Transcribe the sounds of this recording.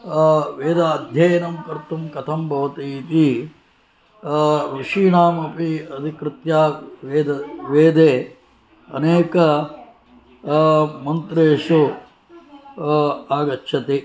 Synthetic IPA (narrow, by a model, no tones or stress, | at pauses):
ʋeːd̪aːd̪ʱjɐjnɐmkɐɾt̪umkɐt̪ʰɐmbʱɐʋɐt̪it̪i | ɾuʂiːnaːmɐpiɐd̪ʱikɾɪt̪jaːʋeːd̪ɐʋeːd̪eː | ɐ̰neːkɐ | mɐnt̪ɾeːʂu | aːɡɐtːʃʰɐt̪e